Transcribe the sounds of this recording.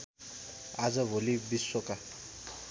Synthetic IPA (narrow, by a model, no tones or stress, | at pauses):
azəvolibisoka